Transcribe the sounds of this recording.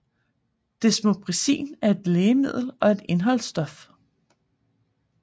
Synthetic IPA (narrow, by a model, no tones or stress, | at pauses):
d̥e̝smob̥ʁisḭːnæɐe̝d̥leːmið̞̰ˠl̩ɒ̽e̝d̥e̝nɦɒ̽lsd̥ɒ̽f